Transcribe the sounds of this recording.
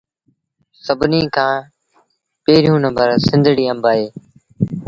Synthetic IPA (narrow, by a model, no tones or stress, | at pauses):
səbniːkʰãː | peːɾjũːnəmbəɾsɪ̃nd̪ʱɽiːə̃mbaːɦeː